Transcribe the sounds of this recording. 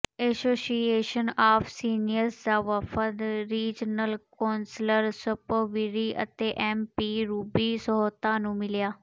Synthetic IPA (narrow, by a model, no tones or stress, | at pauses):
ɛsoːsieːʃənaːfʰsiːnɪjəɾsd̪aːʋəfəd̪ɾiːd͡ʒnəlkɔːnsləɾsəpəʋiɾiːʔə̰t̪eːʔɛːmpiːɾuːbiːsəɦoːt̪aːnũːmɪljaː